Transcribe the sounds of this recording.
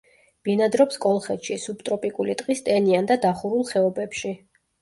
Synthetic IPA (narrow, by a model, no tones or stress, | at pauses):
b̥inad̪ɾɔpskʼɔlˠχɛt̪ʃisub̚t̪ʼɾɔpʼikʼulit̪ʼqʼist̪ʼɛniand̪ad̪aχuɾulˠχɛɔbɛpʃi